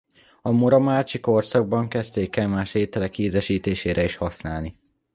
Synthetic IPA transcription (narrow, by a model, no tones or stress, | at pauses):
ɒmoɾɒmaːt͡ʃiko̞rsɒɡ̚bɒŋkɛst̪eːkɛmaːʃeːt̪ɛlɛkiːzɛʃiːt̪eːʃeːɾʔɛiʃhɒsnaːlni